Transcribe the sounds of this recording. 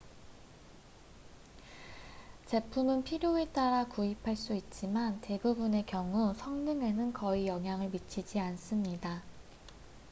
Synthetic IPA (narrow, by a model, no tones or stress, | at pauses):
t͡ɕe̞pʰumɯnpʰiɾjoe̞t͈aɾakuipʰaɭs͈uit̚t͡ɕ͈imante̞bubune̞kjʌŋusʰʌŋdɯŋe̞nɯnkʌijʌŋɦjaŋɯɭmit͡ɕʰid͡ʑians͈ɯmɲida